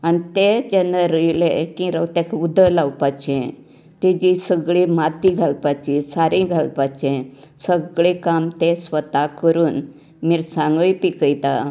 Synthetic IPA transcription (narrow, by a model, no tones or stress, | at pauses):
anit̪ed͡ʑɛnːaɾəjlekĩɾəwt̪ɛkud̪ʱːəlawpat͡ɕẽ | t̪ed͡ʑisəɡɭimat̪iɡʱalpat͡ɕisaɾĩɡʱalpat͡ɕẽsəɡɭekamt̪esʋət̪akəɾuːn | miɾsãŋɡəpikəjt̪a